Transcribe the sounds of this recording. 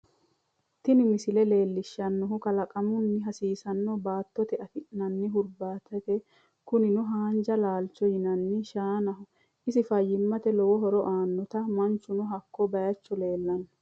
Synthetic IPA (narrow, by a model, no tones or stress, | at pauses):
t̪ɪnɪmɪsɪlɛle̞ːlːɪʃːɐnːɔɦʊkɐlɐkʼɐmʊnːɪɦɐsiːsɐnːɔbaːt̪ːɔt̪ɛɐfɪʔnɐnːɪɦʊɾbaːt̪ːɐt̪ɛ | kʊnɪnʊɦaːnd͡ʒɐlaːlt͡ʃːɔjɪnɐnːɪʃaːnɐhʊ | ʔɪsɪfɐjːɪmːɐt̪ɛlɔwɔɦɔɾɔʔaːnːɔt̪ɐmɐnt͡ʃːʊnʊɦɐkːɔbɐjɐt͡ʃːɔle̞ːlːɐnːɔ